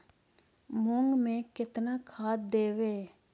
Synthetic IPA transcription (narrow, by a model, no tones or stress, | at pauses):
mʊŋɡmẽkɪt̪nakʰaːt̪̚d̪eːʋeː